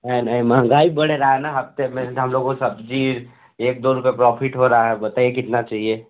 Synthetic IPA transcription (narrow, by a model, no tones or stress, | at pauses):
nəɦinəɦĩmaãɡaːibəɽeɾaaɛnaɦɐbt̪emẽɦəmloːɡõsəbd͡ʒiːɾ | eːk̚d̪oɾupepɾɔːpʰɪʈɦoɾaaɦɛbət̪aekɪt̪nat͡ʃaːɦie